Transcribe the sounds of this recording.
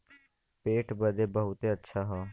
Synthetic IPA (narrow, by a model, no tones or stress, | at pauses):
peːʈbəd̪eːbəɦʊt̪eːətːʃʰaːɦoː